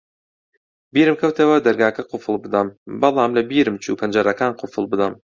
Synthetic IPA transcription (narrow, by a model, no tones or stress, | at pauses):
biːɾɨmkʰɐwt̪ʰewɐd̪ɐɾɡaːkʰɐqʰʊfɨlˠbɨd̪ambɑlˠɑːmlɐbiːɾɨmt͡ʃʰuːpʰɐnd͡ʒaɾakʰaːnqʰʊfɨlˠbɨd̪am